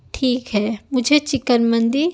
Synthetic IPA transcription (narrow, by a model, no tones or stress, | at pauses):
ʈʰiːkɦɛːmʊd͡ʒʱet͡ʃɪkənmə̃nd̪i